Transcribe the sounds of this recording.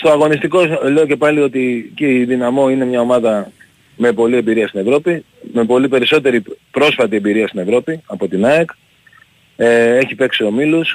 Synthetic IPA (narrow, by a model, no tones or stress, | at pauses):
st̪o̞ɐɣo̞nist̪iko̞le̞oce̞pɐlio̞t̪iceiðinɐmo̞ine̞mɲɐo̞mɐðɐ | me̞po̞lie̞mbiɾiɐst̪ine̞vɾo̞pi | me̞po̞lipe̞ɾiso̞t̪e̞ɾipɾo̞sfɐt̪iembiɾiɐst̪ine̞vɾo̞piɐpo̞t̪inɐek | ee̞çipe̞ksio̞milus